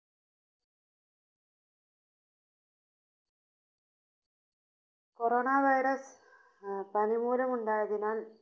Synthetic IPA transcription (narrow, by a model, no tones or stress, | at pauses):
koɾoːnaːʋɐjɾɐs | pɐnimuːlɐmuɳɖaːjɐðinaːl